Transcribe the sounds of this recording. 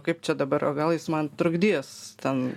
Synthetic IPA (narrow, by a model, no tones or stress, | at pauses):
kɐɪp̚t͡ʃʲɛd̪ɐbɐɾoːɡɐlˠjɪsmɐnt̪ɾʊɡd̪ʲiɛst̪ʲɛn